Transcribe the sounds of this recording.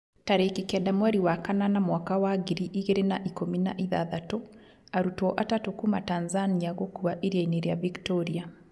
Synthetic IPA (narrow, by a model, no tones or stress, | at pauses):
taɾekikɛdamwɛɾiwakananamwakawaɣiɾiʔiɣeɾenaʔikomina̰ʔiða̰ðato | aɾutɔʔatatokumatanzaniaɣokuβaʔiɾiaineɾjaviktɔɾia